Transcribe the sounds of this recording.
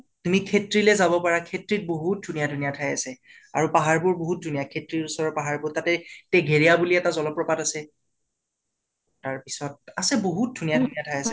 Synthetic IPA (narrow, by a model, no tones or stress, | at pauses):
tumikʰetɹilɛzabɔpaɹakʰetɹit̚boɦut̚dʱunijadʱunijatʰajasɛ | aɹupaɦaɹbʊɹboɦut̚dʱunijakʰetɹiɹusɔɹɔpaɦaɹbʊtatɛtɛɡʱeɹijabuliɛtazɔlɔpɹɔpatasɛ | aɹpisɔt̚asɛboɦut̚dʱunijadʱunijatʰajasɛ